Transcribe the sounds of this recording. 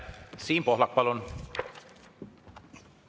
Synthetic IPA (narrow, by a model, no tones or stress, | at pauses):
siːmpohlɑk̚pɑlon